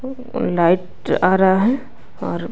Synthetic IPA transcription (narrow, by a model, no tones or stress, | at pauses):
laːɪʈ | aːɾaaɦɛ | ɔːɾ